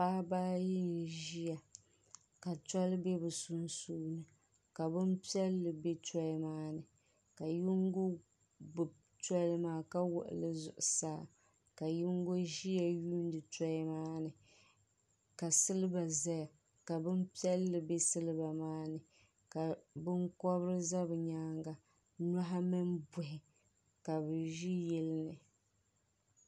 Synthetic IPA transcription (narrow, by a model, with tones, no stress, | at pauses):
paː˦baː˦jɪ˦n˨ʒi˦ja˨ | ka˨ta˦lbe˦bɨ˨su˨nsuː˦nɨ˨ | ka˨bɨ˦mpi˦ɛ˦lːɨ˨be˦tɔ˦maː˦nɨ˨ | ka˨ju˦ŋɡo˦ | ɡ͡bʊ˨b | tɔ˦lmaː˦ka˦wʊ̰˨ʔʊ̰˨lɨ˦zʊ̰˨ʔʊ˨saː˦˨ | ka˨ju˦ŋɡo˦ʒi˦ja˨juː˦n˦dɨ˨tɔ˦ɪ˦maː˦nɨ˨ | ka˨sɨ˦lɨ˦ba˨za˦ja˨ | ka˨bɨ˦m˦pi˦ɛ˦lːɨ˨be˦sɨ˦lɨ˦ba˨maː˦nɨ˨ | ka˨bɨ˦ŋkɔ˦bɾɨ˦za˦bɨ˨ɲaː˦ŋɡa˨ | n˦a˦ɦa˦mɨ˦nbʊ˨ɦɪ˨ | ka˨bɨ˨ʒi˦jɛ˦lnɨ˨